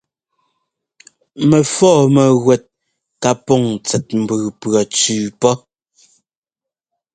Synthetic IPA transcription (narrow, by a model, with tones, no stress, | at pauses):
mɛ˨fɔː˦˨mɛ˨ɣwɛ˨t̚ | ka˦pɔ˦˨ŋt͡sɛ˨t̚m̩˨bʉː˨pɰɔ˨t͡sʉː˨pɔ˦